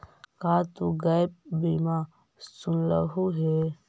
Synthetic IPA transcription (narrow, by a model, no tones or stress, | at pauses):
kat̪uɡap̚bima | sunlə̰ɦuɦe